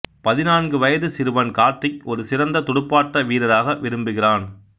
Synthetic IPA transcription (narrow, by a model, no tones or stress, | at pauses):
pɐðɪnaːnɡɯʋɐjɐðɯsɪɾɯʋɐnkaːɾt̪ːɪkɔɾɯsɪɾɐnd̪ɐt̪ʊɽɯpːaːʈːɐʋiːɾɐɾaːɣɐʋɪɾɯmbɯɣɪraːn